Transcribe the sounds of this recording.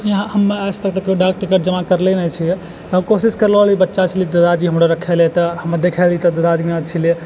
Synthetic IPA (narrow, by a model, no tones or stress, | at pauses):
jɦãhəmːeast̪ək̚t̪əkeoɖak̚ʈikəʈ̚d͡ʒəmakəɾlɛnɛt͡ʃʰi | əkosiskəɾləlibətːʃat͡ʃʰilid̪əd̪ad͡ʒiɦəmɾəɾəkʰɛlɛt̪əhəməd̪ekʰɛlit̪əd̪əd̪ad͡ʒinat͡ʃʰili